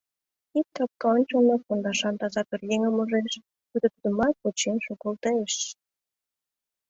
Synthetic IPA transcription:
ikkɑp̚kɑonʲt͡ɕonɑk̚kond̪ɑʃɑnt̪ɑzɑkərjeŋə̆mə̆ʒeʃ | kyd̪ə̆t̪d̪ə̆mɑt̪̚ot͡ɕenʃokɑlt̪ɑeʃ

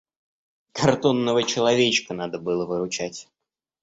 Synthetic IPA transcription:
kɐrt̪onːəvət͡ɕɪlˠɐvʲet͡ɕkənad̪əbɨlˠəvɨɾʊt͡ɕætʲ

